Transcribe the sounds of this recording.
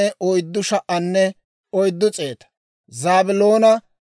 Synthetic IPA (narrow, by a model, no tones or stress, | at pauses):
ɛʔɔjd̪ːʊʃɐʔɐnːɛ | ɔjd̪ːʊt͡sʼe̞ːt̪ɐ̥ | zaːbɪloːnɐ